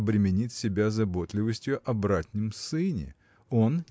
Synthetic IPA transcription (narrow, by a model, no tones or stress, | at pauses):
bɾʲɪmʲɪnʲitʲsʲɪbʲazɐbo̞t̪lʲɪvəsʲtʲjʊʔɐbɾat̪ʲnʲɪmsɨnʲɪ̰ | o̞nʲ